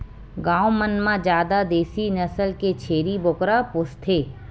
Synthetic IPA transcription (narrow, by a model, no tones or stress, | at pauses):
ɡãːomənmãd͡ʒjaːd̪ad̪eːsinəsəlket͡ʃʰeːɾibʊkɾapʊst̪ʰeː